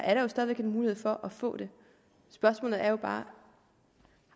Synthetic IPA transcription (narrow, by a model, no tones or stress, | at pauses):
ʔæɐɾ̥ɑ̈jo̝sd̥ɛðˠʋe̝ɡ̥e̝nmuːlihe̝fɒ̽ʔɒfɔ̰̽ːd̥e̝ | sb̥ɶɐsmɔ̰ːlð̩ˠæɐjo̝b̥ɑ̈ː